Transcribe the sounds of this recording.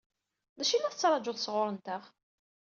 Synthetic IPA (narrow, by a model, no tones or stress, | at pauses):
ðæʃinːæθət͡sːɾˤɑd͡ʒʊðsʁʊɾˤənt̪əʁ